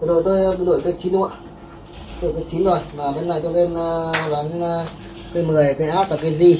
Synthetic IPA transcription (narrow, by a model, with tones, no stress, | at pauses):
zo˨˩jt̪o˧jno̰˧˨jkə˨˦˥k̚t͡ɕʰi˨˦nu˧˨a˨˧ | no̰˧˨kə˨˦˥k̚t͡ɕʰi˨˦nzo˨˩jmaː˨˩me˧˦˥na˨˩jt̪o˧jle˧n˧va˨˦n˧ | t̪o˧jmɨ˨˩əjke˧˦ʔaː˦˥p̚vaː˨˩kaː˨˦zi˧˩